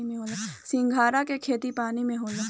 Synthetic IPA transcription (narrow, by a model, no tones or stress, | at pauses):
imẽɦoːlasɪ̃ŋɡʱaːɾakekʰeːt̪ipaːnimẽɦoːlãː